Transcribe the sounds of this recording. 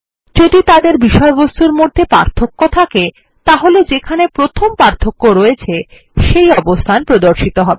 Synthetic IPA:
d͡ʑod̪it̪ad̪eɾbiʃɔebost̪uɾmod̪ʱːepa̰ɾt̪ʰokːot̪ʰake | t̪aɦoled͡ʑekʰanepɾot̪ʰompaɾt̪ʰokːoɾoet͡ɕʰe | ʃejɔbost̪ʰanpɾod̪oɾʃit̪oɦɔbe

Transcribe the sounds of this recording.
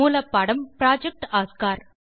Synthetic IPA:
uːlɐpːɐɽɐmpɾaːd͡ʒɐk̚ʈaːskaːɾ

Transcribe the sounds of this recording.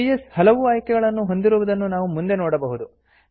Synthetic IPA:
ijeshɐlɐʋuaːjkɛɡɐɭɐnːuɦo̞nd̪iɾuʋɐd̪ɐnːunaːʋumund̪e̞noːɽɐbɐɦud̪u

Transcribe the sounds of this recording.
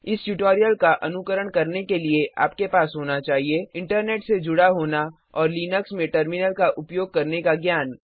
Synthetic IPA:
ɪsʈuʈoːɾijəlkaʔɐnʊkəɾəɽ̃kɐɾnekelieʔa̰ːpkepaːsɦoːnat͡ʃaːɦieɪ̃ɳʈəɾneːʈsed͡ʒʊɽaɦoːna | ɔːɾliːnəksmẽʈəɾmɪnəlkaʔʊpjoːɡ̚kɐɾnekaɡjaːn

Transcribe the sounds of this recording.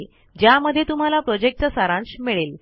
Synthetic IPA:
d͡ʑjaməd̪ʱːjet̪um̤alapɾɔd͡ʑek̚ʈ̚t͡səsaɾãnsmiɭel

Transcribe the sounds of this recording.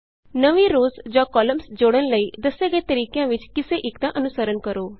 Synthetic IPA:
nəʋiɾoːzd͡ʒãːkɔːləmsd͡ʒoːɽ̃ənləiːd̪ɐseɡəet̪əɾiːkjãʋɪt͡ʃkɪseʔɪkd̪ãʔənʊsəɾənkəɾoː

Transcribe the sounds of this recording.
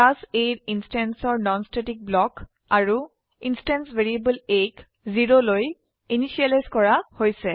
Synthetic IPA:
tasejtinstɛnsɔɹnɔnstetik̚blɔk | aɹu | instɛnsveɹiebəlek | ziɹoloj | inisialajzkɔɹahojsɛ

